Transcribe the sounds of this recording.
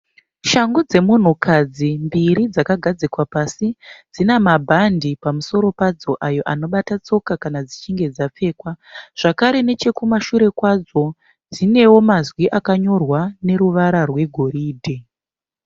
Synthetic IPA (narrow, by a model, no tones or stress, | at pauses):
ʃaŋɡod͡ze̞mun̤ukʰad͡zimbiɾid͡zakaɡʱad͡zikwapasid͡zinamabʱandipamuso̞ɾo̞pad͡zo̞ʔajo̞ʔano̞ɓatat͡so̞kakanad͡zit͡ʃiŋɡe̞d͡zap͡fe̞ːkwaʐ̥akaɾe̞ne̞t͡ʃe̞kumaʃuɾe̞kwad͡zo̞ | d͡zine̞wo̞mazwiʔakaɲo̞rwane̞ɾuʋaɾarwe̞ɡʱo̞ɾiːdʱe